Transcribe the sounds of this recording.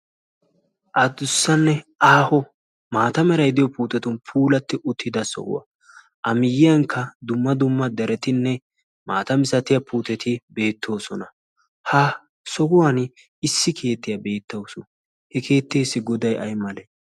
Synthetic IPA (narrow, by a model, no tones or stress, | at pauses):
ʔɐd̪ʊsːɐnːɛaːhɔ | maːt̪ɐmɛɾɐjd̪ɪjɔpuːt̪ɛt̪ʊnpʰuːlɐt̪ːɪʔʊt̪ʰːɪd̪ɐsɔ̰ɡʊ̰wɐ̰ | ʔɐmɪjːɪjɐŋkʰːɐd̪ʊmːɐd̪ʊmːɐd̪ɐɾɛt̪ɪnːɛ | maːt̪ɐmɪsɐt̪ɪjɐpʰuːt̪ɛt̪ʰɪbe̞ːt̪ʰːo̞ːsɔnɐ | hɐ | sɔɡʊwan | ɪsːɪkʰe̞ːt̪ːɪjɐbe̞ːt̪ːɐwsʊ | hɛke̞ːt̪ːeːsːɪɡɔd̪ɐjʔɐ̰jmɐlɛ